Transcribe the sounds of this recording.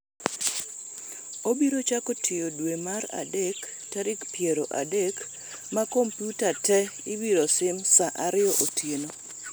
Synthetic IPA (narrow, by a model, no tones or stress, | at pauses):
obiɾot͡ʃakotʰɪjodwemaɾa̰dek | taɾɪkpjeɾoʔa̰dek | makompjutatɛɪwiɾosɪmsaʔaɾɪɔʔotʰjeno